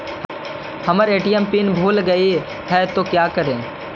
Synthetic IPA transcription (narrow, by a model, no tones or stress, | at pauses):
həməɾeːʈiəmpinbʱuːlɡəi | ɦɛt̪oːkjaːkəɾẽː